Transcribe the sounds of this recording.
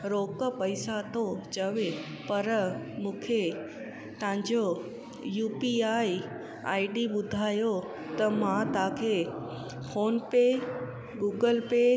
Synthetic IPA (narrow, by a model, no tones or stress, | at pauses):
ɾoːkə̆pɐisat̪ʰot͡ɕɐʋe | pɐɾmũːkʰe | t̪ɐ̃ʋɪ̃ɲd͡ʑo | juːpiaːi | aːɪɖiɓʊd̪ʱaːjo | t̪ɐmãt̪ɐãkʰeː | fʰoːnpeː | ɡuːɡəlpeː